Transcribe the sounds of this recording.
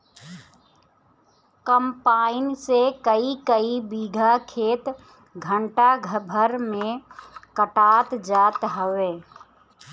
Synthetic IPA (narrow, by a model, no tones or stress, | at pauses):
kəmpaːɪnsekəikəibiːɡʱakʰeːt̪ | ɡʱə̃ɳʈaɡʱəbʱəɾmẽkəʈaːt̪d͡ʒaːt̪ɦəweː